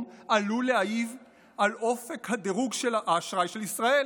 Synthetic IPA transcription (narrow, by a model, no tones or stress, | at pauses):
maluleajiv | alo̞fe̞khad̪eʁuɡʃelaʔaːʃʁajʃe̞lisʁae